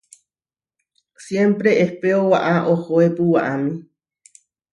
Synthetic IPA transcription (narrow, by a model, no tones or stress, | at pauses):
sjempɾeʔehpeowaʔaʔohoepuwaʔamĩ